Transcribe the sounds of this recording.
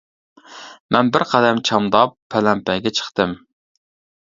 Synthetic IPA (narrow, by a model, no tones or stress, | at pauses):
mɛnbɪɾqʰɑd̪ɛmt͡ʃʰɑmd̪ɑpʰːɛlɛmpɛɡʲɛt͡ʃʰə̥χt̪ɨm